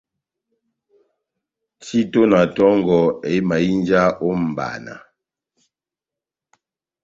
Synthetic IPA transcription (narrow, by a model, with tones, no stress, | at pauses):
ti˦to˦na˨tɔ˦ŋɡɔ˨e˨˦ma˨i˦nd͡ʒa˦ʔo˦m̩˨ba̰˨na̰˨